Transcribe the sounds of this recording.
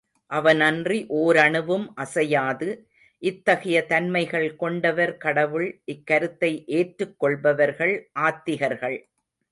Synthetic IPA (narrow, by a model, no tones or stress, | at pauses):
ʔɐʋɐnɐndriʔoːɾɐɳɯʋɯmʔɐsɐjaːðɯ | ʔɪt̪ːɐɣɐjɐt̪ɐnmɐɪɣɐɭkɔɳɖɐʋɐɾkɐɽɐʋɯɭʔɪkːɐɾɯt̪ːɐɪʔeːʈɾɯkːɔɭbɐʋɐɾɣɐɭʔaːt̪ːɪɣɐɾɣɐɭ